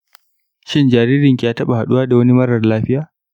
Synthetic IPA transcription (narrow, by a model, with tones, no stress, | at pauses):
ʃɪ˦nd͡ʒaː˨ɾiː˦ɾɪ˨ŋkʲi˨jaː˦tɐ˦ɓa˨ha˨ɗu˦waː˦da˨wɐ˦ni˦mɐ˦ɽɐ˨rlaː˦ɸɪ˦jaː˨